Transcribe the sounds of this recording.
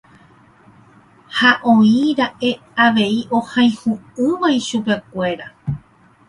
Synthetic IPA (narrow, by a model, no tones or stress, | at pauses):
haʔõ̞ĩɾaʔe̞ | aʋe̞iʔo̞hãj̃hũɨ̃ʋajʃupe̞kʷe̞ɾa